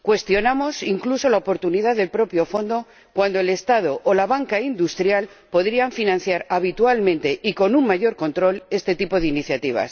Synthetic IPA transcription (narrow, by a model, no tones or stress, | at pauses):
kwe̞st̪jo̞namo̞siŋkluso̞laopo̞ɾt̪uniðaððe̞lpɾo̞pjo̞fo̞nd̪o̞ | kwand̪oele̞st̪að̞oʔːlaβaŋkaind̪ust̪ɾjal | po̞ðɾiaɱfinãn̟θjaɾaβ̞it̪ualmẽ̞nt̪e̞ʔiko̞nuŋmaʝo̞ɾko̞nt̪ɾo̞le̞st̪e̞t̪ipo̞ðeiniθjat̪iβ̞a̰s